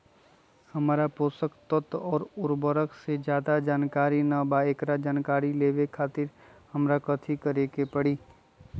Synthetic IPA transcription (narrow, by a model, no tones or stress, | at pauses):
hɐmaːɾapoːsəkt̪ət̪ɔːɾʊɾbəɾəksed͡ʒjaːd̪ad͡ʒaːnkaːɾinabaeːkɾad͡ʒaːnkaːɾileːʋekʰaːt̪ɪɾhɐmɾakɐt̪ʰikəɾeːkepəɽiː